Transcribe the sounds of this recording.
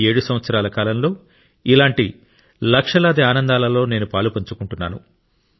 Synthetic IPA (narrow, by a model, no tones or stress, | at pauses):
e̞ːɽusɐmʋɐt̪sɐɾaːlɐkaːlɐmlo̞ː | ilaːɳʈi | lɐkʂɐlaːd̪iaːnɐnd̪aːlɐlo̞ːne̞ːnupaːlupɐɲt͡ʃukuɳʈunːa̰ːnṵ